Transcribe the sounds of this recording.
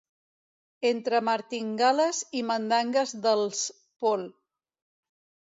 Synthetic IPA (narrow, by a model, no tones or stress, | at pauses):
ent̪ɾəməɾt̪iŋɡaləzimənd̪aŋɡəzðəlˠs | pol